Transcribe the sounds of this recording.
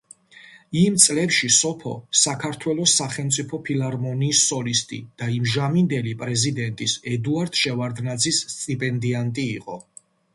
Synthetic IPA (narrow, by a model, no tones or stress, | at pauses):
imt̪sʼlɛpʃisɔpʰɔ̰sakʰaɾt̪ʰwɛlˠɔsːaχɛlˠmt̪sʼipʰɔpʰilaɾmɔniːsɔlist̪ʼḭd̪̥aimʒamind̪ɛlipʼɾɛzid̪ɛnt̪ʼisɛd̪uaɾd̪̥ʃɛvaɾd̪nad̪zisːt̪ʼipʼɛnd̪iant̪ʼiːqʼɔ̰